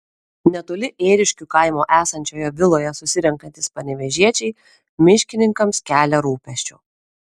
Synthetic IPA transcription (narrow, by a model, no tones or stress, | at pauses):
nʲɛt̪oːlʲɪʔeːɾʲɪʃʲkʲukɐɪmoːʔæːsɐnʲt͡ʃʲoːjɛʋʲɪlˠoːjɛsʊsʲɪɾʲɛŋkɐnʲt̪ʲɪspɐnʲɛʋʲɛʒʲiɛt͡ʃʲɛɪ | mʲɪʃʲkʲɪnʲɪŋkɐmskʲæːlʲɛɾuːpʲɛʃʲt͡ʃʲʊ̰ː